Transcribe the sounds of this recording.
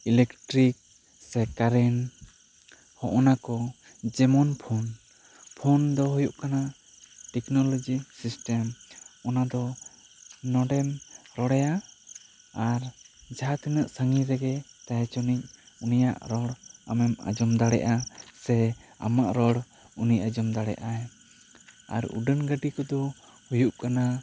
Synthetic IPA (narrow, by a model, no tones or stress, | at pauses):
ilɛkʈɾik̚ | sɛkaɾɛn | hɔʔɔnakɔ | d͡ʒɛmɔnpʰɔn | pʰɔnd̪ɔɦɔjuʔkana | ʈɛknɔlɔd͡ʒisisʈɛmɔnad̪ɔ | nɔɖɛmɾɔɽɛja | aɾd͡ʒaɦat̪ɛnəʔsəŋiɾɛɡɛt̪aɦɛt͡ʃɔnic̚unija̰ʔɾɔɽa̰mɛma̰d͡ʒɔmd̪aɽɛʔasɛa̰maʔɾɔɽ | unicad͡ʒɔmd̪aɽɛ̰ʔaɛ | a̰ɾṵɖənɡəɖikɔd̪ɔ | hujuʔkana